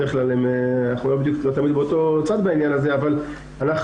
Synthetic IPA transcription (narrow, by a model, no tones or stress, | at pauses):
eʁeχklalemnaχnulo̞beid̪juklot̪amid̪̚beot̪o̞t͡sad̪bainjanazeaval | anaχ